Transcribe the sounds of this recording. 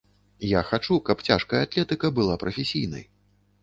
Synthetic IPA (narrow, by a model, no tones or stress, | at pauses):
jaxat͡ʂukɐpt͡sʲaʂkɐjɐat̪lʲɛt̪ɨkɐbɨlˠapɾɐfʲesʲijnɐ̰j